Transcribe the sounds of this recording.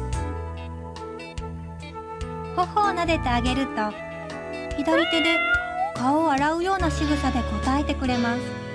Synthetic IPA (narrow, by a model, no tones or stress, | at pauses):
ho̞ho̞ːnad̪e̞t̪e̞aɡe̞ɾɯ̟t̪o̞ | çʲid̪aɾʲit̪e̞d̪e̞kaoaɾaɯ̟jo̞ːnaɕiɡɯ̟sad̪e̞ko̞t̪ae̞t̪e̞kɯ̟ɾe̞masɨ̥